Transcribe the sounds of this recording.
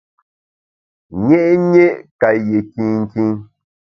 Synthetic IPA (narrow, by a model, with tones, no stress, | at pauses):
ɲɛ˦ʔɲe˦ʔka˨je˨ki˦ŋ̩˦˨ki˦ŋ